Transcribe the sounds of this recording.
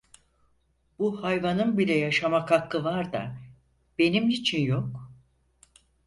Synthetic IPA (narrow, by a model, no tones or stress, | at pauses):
b̥uhajvanɯnbilʲɛjaʃamakʰakːɯvaɾd̪a̰ | b̥e̞nimit͡ʃʰinjo̞k